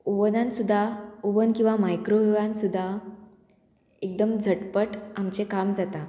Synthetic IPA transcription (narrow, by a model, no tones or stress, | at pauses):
uʋənãnsud̪ʱːauʋənkĩw̃ʋamajkɾoʋiʋãnsud̪ʱːa | ek̚d̪əmd͡zʱəʈpəʈamt͡sekamd͡zat̪a